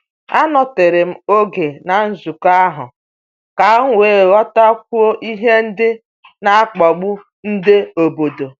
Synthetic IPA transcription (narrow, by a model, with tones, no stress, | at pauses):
a˦nɔ˨tɪ˨ɾɪ˨m̩˦o˦ɡe˨na˨n̩˦zu˨ka˦a˦ɦʊ˨ | ka˨˦ŋ̩˦ŋʷeː˨ɣɔ˦ta˦k̚ʷu˦o˦ʔi˦ɦe˦n̩˦dɪ˦ | na˨a˦k͡pɔ˨ɡ͡bu˦ | n̩˦dɪ˦o˨bo˨do˨